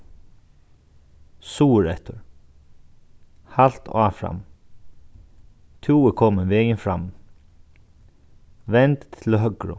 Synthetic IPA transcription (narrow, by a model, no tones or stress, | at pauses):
suːɹɛht̪əɹ | hal̥t̪ʰaːfɹa̰m | t̪ʰjuːəkʰɔmənʋɛːjənfɹa̰m | ʋɛnt̪ʰːɪlɦœɡɹʊ̰